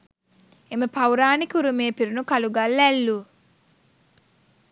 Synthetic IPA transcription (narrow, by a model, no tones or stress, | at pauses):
eməpawɾaːnikuɾumeːpiɾunukaluɡalːælːu